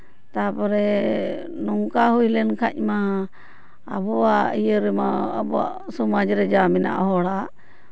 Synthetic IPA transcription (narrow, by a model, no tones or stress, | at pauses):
t̪apɔɾɛ | nɔŋkaɦujlɛnkʰac̚maː | bɔaijəɾɛmaabɔa̰ʔsɔmad͡ʒɾɛd͡ʒamɛna̰ʔɦɔɽaʔ